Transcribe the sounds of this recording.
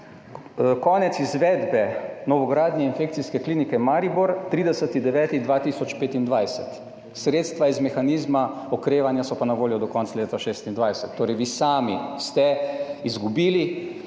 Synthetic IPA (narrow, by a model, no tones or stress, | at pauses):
kɔːnɛt̪sizʋɛd̪bɛnɔʋɔɡɾaːd̪nɛinfeːkt̪siskɛkliːnikɛmaɾibuɾt̪ɾiːd̪ɛsət̪id̪ɛʋɛːt̪id̪ʋaːt̪isɔt͡ʃpeːt̪ind̪ʋajsɛt̪ | sɾeːt̪st̪ʋaizmɛxaniːzma | ɔkɾeːʋanjasɔpanaʋoːljɔd̪ɔkɔnt̪saleːt̪aʃeːst̪ind̪ʋajsɛt̪ːoːɾɛjʋiːsaːmist̪ɛizɡubiːli